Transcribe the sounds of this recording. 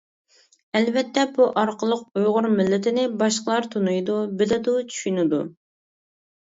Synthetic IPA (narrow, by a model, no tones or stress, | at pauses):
ɛlvɛt̪ʰːɛbuʔɑɾqʰəlˠəq̚ujʁʊɾmɪlːɪt̪ʰɪnɪbɑʃqəlˠɑɾt̪ʰunujd̪ubɪlɪd̪ut͡ʃʰy̥ʃynɪd̪u